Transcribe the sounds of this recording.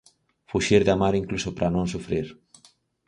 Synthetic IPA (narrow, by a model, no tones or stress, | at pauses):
fuʃiɾðamaɾiŋklusopɾʔanõŋs̬ufɾiɾ